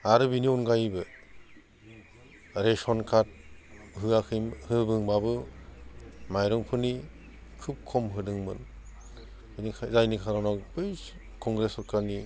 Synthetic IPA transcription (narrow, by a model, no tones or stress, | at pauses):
aɾɯbiniɔnɡajbɯ | ɾesɔnkʰat̚ɦɯakʰɯhɯbɯŋbabɯ | majɾɔŋpʰɯni | kʰup̚kʰɔmɦɯdɯŋmɯ̰n | nikʰazajnikʰaɾɔnɔkbɯj | kɔŋɡɾesɔɾkʰaɾni